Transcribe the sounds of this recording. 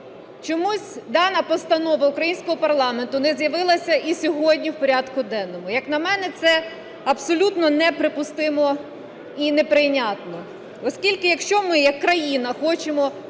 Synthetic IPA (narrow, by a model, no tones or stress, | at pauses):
t͡ʃɔmusʲd̪ɑnɐpɔst̪ɐnɔʋɐʊkɾɐjinʲsʲkɔɦɔpɐrlˠɑment̪ʊnɛzjɐʋɪlˠɐsʲɐʔisʲɔɦɔdʲnʲiwpɔɾʲɑd̪kʊd̪ɛnːɔmʊjɐknɐmɛnɛt̪sɛ | ɐpsɔlʲut̪nɔnɛpɾɪpʊst̪ɪmɔ | inepɾɪnʲat̪nɔ | ɔskʲilʲkɪjɐkʃt͡ʃɔmɪjɐkːɾɐjinɐxɔt͡ʃemɔ